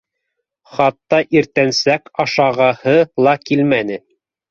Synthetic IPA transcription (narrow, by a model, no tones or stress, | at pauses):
χɑt̪ːɑʔiɾt̪ænsækɑʃɑʁɑhɤlˠɑkilmænɘ